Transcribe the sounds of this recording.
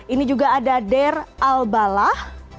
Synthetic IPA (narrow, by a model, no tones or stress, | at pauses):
inid͡ʒuɡaːdadɛralbalah